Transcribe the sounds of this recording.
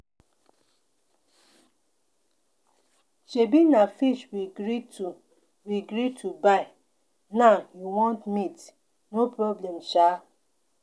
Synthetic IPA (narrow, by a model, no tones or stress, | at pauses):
ʃebinafiʃwiɡɾiu | wiɡɾitʰubaɪ | naʊjuwɔ̃ntmit | nopɾɔblɛmʃa